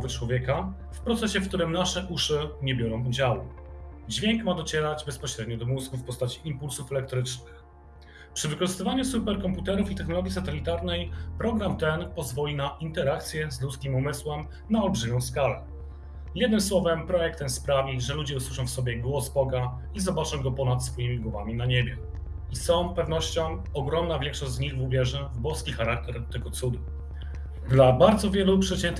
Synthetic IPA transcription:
vɘt͡ʂwɔvʲjɛka | fpɾɔt̪sɛɕɛfk̚t̪uɾɘmnaʂɛʔuʂɘɲɛbʲjɔɾɔ̃w̃ud͡ʑawud͡ʑvʲjɛŋkmad̪ɔt͡ɕɛɾad͡ʑbɛspɔɕɾɛd̪ɲɔd̪ɔmuzɡufpɔst̪at͡ɕiʔimpulsufɛlɛk̚t̪ɾɘt͡ʂnɘx | pʂɘvɘkɔʐɨst̪ɘvaɲusupɛɾkɔmput̪ɛɾufit̪ɛxnɔlɔɡʲjisat̪ɛlʲit̪aɾnɛjpɾɔɡɾamt̪ɛnpɔzvɔlʲinaʔint̪ɛɾakt̪sʲjɛzlut̪skʲimumɘswɛm | naɔlbʐɘmʲɔ̃w̃skalɛ | jɛd̪nɘmswɔvɛmpɾɔjɛk̚t̪ɛnspɾavʲiʐɛlud͡ʑɛuswɘʂɔ̃w̃fsɔbʲjɛɡwɔzbɔɡa | izɔbat͡ʂɔ̃w̃ɡɔpɔnat̪sfɔjimʲiɡwɔvamʲinaɲebʲjɛ | isɔ̃w̃pɛvnɔɕt͡ɕɔ̃w̃ | ɔɡɾɔmnavʲjɛ̃ŋkʂɔʑd͡ʑzɲiɣvuvʲjɛʐɛvbɔskʲixaɾak̚t̪ɛɾt̪ɛɡɔt̪sud̪u | d̪labaɾd̪zɔvʲjɛlupʂɛt͡ɕɛnt̪

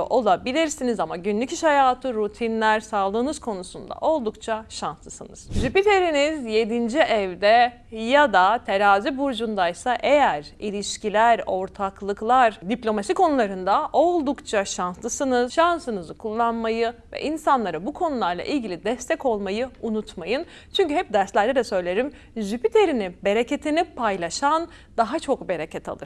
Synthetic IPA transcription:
ʔo̞lˠabilʲiɾsinizamaɟynlʲycʰiʃhajaːt̪ʰɯɾut̪ʰinlʲæɾsalˠd̪ɯːnɯz̥kʰo̞nusund̪a̰ʔo̞lˠd̪ukt͡ʃʰaʃanslˠɯsɯnɯz̥ʒypit̪ʰe̞ɾinizje̞d̪ind͡ʒiʔɛvd̪ɛ | jad̪at̪ʰeɾaːzibuɾd͡ʒund̪ajsaʔe̞jæɾilʲiʃcilʲæɾo̞ɾt̪ʰaklˠɯklˠaɾd̪iplʲo̞masikʰonulˠaɾɯnd̪aʔo̞lˠd̪ukt͡ʃʰaʃanslˠɯsɯnɯzʃansɯnɯzɯkʰulˠːanmajɯvɛ̰ʔinsanlˠaɾɯbukʰo̞nulˠaɾlˠa̰ʔilʲɟilʲid̪ɛst̪ʰɛko̞lˠmajɯunut̪majɯn | t͡ʃʰyɲcyɦɛp̚d̪æɾslʲæɾd̪ɛd̪ɛsø̞jlʲe̞ɾim | ʒypit̪ʰe̞ɾinibe̞ɾecet̪ʰinipʰajlˠaʃan | d̪aɦat͡ʃʰo̞kbe̞ɾecʰɛt̪ʰa̰lˠɯɾ

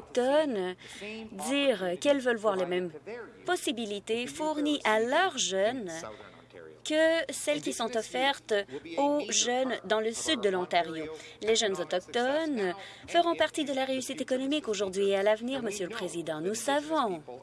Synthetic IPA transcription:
k̚t̪ɔn | d̪iːʁkɛlvœlvwaʁlemɛmpɔsibilit̪efuʁniʔalœʁʒœn | kəsɛlkʲisɔ̃t̪ɔfɛʁt̪oʒœnd̪ɑ̃ləsyd̪ːəlɑ̃t̪aʁjoleʒœnzɔt̪ɔk̚t̪ɔn | fəʁɔ̃paʁt̪id̪əlaʁeysit̪ekɔnɔmikoʒuʁd̪ɥiealavniʁməsjøləpχezid̪ɑ̃nusavɔ̃

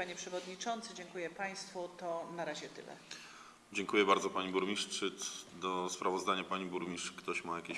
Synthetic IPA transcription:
paɲɛpʂɛvɔd̪ɲit͡ʂɔnt̪sɘd͡ʑɛŋkujɛpaj̃st̪fut̪ɔnaɾaʑɛt̪ɘ̰lɛ̰ | d͡ʑɛŋkujɛbaɾd̪zɔpaɲibuɾmʲiʂt͡ʂɘd̪ɔspɾavɔzd̪aɲapaɲibuɾmʲiʂkt̪ɔɕmajakʲeɕ

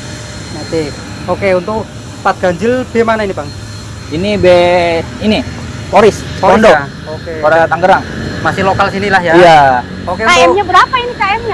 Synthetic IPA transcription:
nat̪e | okeunt̪ʊk | pat̪̚ɡ̥aɲd͡ʒɪlb̥ɛmanainibaŋ | inibe | ini | foɾɪsoando | okepadat̪aŋɡəɾaŋmasɪhlokalsinilahjaija | okeuaɛɲabəɾapainikaɛmɲa

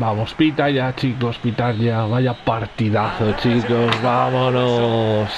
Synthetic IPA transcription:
bamospit̪ajat͡ʃʰikospit̪aɾʎaβajapaɾt̪iðaθot͡ʃʰikosβamonos

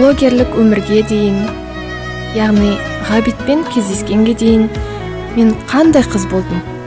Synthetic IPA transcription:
lˠo̞ɡʲe̞ɾlɪkwɵmɪɾɡʲe̞d̪e̞jɪn | jɑʁnij | ʁɑbijt̪̚pe̞ŋkʲʰe̞zd̪e̞skʲe̞ŋɡʲe̞d̪e̞jɪn | me̞ɴqʰɑnd̪ɑjqʰəzbo̞lˠd̪əm

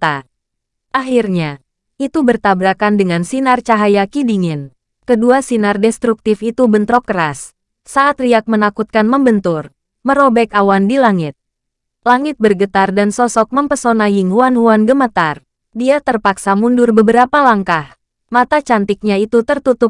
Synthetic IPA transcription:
t̪a | ʔaɦirɲa | it̪ubərt̪abɾakandəŋansinart͡ʃaɦajakidiŋɪn | kəduasinardɛst̪ɾuk̚t̪ɪfit̪ubənt̪ɾɔp̚kəɾas | saʔːt̪riak̚mənakut̪̚kanməmbənt̪ʊr | məɾobɛkawandilaŋɪt̪̚ | laŋɪt̪̚bərɡət̪ardansɔsɔk̚məmpəsonajɪŋhuanhuanɡəmət̪ar | diat̪ərpaksamundʊrbəbəɾapalaŋkah | mat̪at͡ʃant̪ɪk̚ɲait̪ut̪ərt̪ut̪ʊp̚

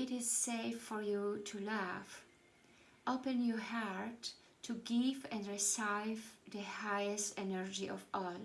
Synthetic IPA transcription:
ɪɾɪz̥seɪfːɔɹjutʰulæf | ʔoʊpɨ̃njɔhaɹtʰː | uɡivɛ̃ndɹisaɪvðəhajɨstɛnəɹd͡ʒiʔɔvɔl

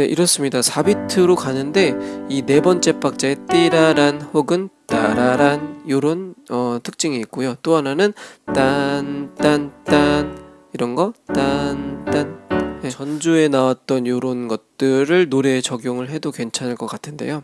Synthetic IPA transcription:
neʔiɾʌs͈ɯmɲidasʰabitʰɯɾokanɯnde̞ine̞bʌnt͡ɕ͈e̞p͈ʰak̚t͡ɕ͈aet͈iɾaɾanhoɡɯnta̰ɾaɾanjoɾonʌtʰɯ̥k̚t͡ɕ͈iŋiːk̚k͈ojot͈oɦananɯnt͈ant͈ant͈an | iɾʌnɡʌt͈ant͈anjet͡ɕʌnd͡ʑue̞nawat̚t͈ʌnjoɾonɡʌt̚t͈ɯɾɯɭnoɾe̞ːt͡ɕʌɡjoŋɯɭɦe̞doke̞nt͡ɕʰanɯɭk͈ʌk͈atʰɯnde̞̰jo

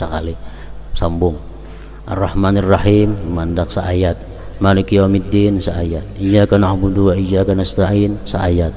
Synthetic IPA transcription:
saka̰li | sambʊŋ | ʔa̰rːɑhmanirahimːandak̚saajat̪̚ | manikiamid̪insaajat̪̚id͡ʒakanaubuduwaid͡ʒakanast̪ainsaʔajat̪̚

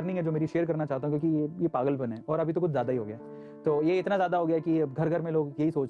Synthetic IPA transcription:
ɾnɪ̃ĩŋɦɛd͡ʒoːmeːɾiʃeːəɾkɐɾnat͡ʃaːɦt̪aɦũkjõːkiejepaːɡəlbɐnɦɛ̃ːɔːɾɐbʱit̪okʊt͡ʃʰzjaːd̪aiɦo̰ːɡɐjaːɦ | t̪oːjeɪt̪nazjaːd̪aɦoːɡɐjaɦɛkiɡʱɐɾɡʱɐɾmẽloːɡjɐɦisoːt͡ʃ

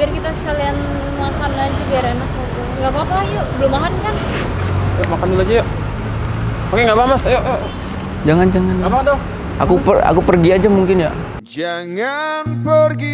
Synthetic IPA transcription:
bɪrkit̪asə̥kalian | makanad͡ʒubaɾenakat̪uŋɡapapajaʔbəlʊmaɦan̚kan | jaʔmakandulad͡ʒaja | makeŋɡabamasjoʔja | d͡ʒaŋand͡ʒaŋanŋabaand̪oh | ʔa̰kupəa̰kupərɡiad͡ʒamuŋkɪnja̰ | d͡ʒaŋanpərɡi

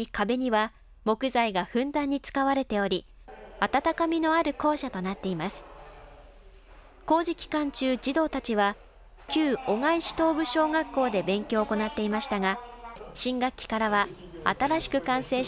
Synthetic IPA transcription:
ikabe̞ɲ̟iβa | mo̞kɯ̟zaiɡaɸɯ̟̃nd̪ãɲ̟ːit͡sɨ̥kaβ̞aɾe̞t̪e̞o̞ɾʲi | at̪at̪akamʲino̞aɾɯ̟ko̞ːɕat̪o̞nat̪ːe̞imasɨ̥ | ko̞ːʑikʲi̥kãɲ̟t͡ɕɨːd͡ʑid̪o̞ːt̪at͡ɕiβa | kʲɨːo̞ŋaiɕi̥t̪o̞ːbɯ̟ɕo̞ːɡakːo̞ːd̪e̞bẽ̞ŋkʲo̞ːko̞nat̪ːe̞imaɕi̥t̪aɡaɕĩŋɡakʲːi̥kaɾaβaa̰t̪aɾaɕi̥kɯ̟kãɰ̃se̞ː

